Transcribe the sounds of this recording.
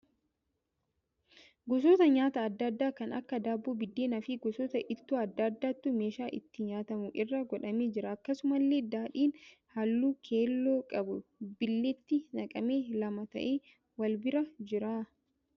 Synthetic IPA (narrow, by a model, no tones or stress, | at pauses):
ɡɔs̬oːt̪ɐɲaːt̪ɐːd̪ːɐd̪ːaːkɐnɐ̰kːɐd̪aːbːoːbɪd̪ːeːnɐfɪɡɔsoːt̪ɐʔɪt̪ːuːɐd̪ːɐd̪ːaːt̪ːʊmeːʃaːʔɪt̪ːɪɲaːt̪ɐmʊʔɪrːɐɡɔᶑɐmeːd͡ʒɪɾɐːkːɐsʊmɐlːe̞ːd̪aːᶑiːn | hɐlːuːkʰe̞ːlːo̞ːkʼɐbʊbɪlːɛt̪ːɪnɐkʼɐmeːlɐmɐt̪ɐ̰ʔeː | wɐlbɪɾɐd͡ʒɪɾaː